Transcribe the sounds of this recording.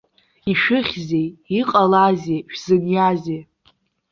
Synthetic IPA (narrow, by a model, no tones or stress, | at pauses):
iʃᶣɨχʲzejiqʼalazeʃᶣzɨnjaze